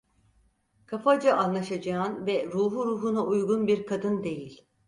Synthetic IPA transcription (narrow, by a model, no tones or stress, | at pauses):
kʰafad͡ʒaʔanlˠaʃad͡ʒanvɛɾuːɦuɾuːɦunaʔujɡunbiɾkʰad̪ɯnd̪e̞jilʲ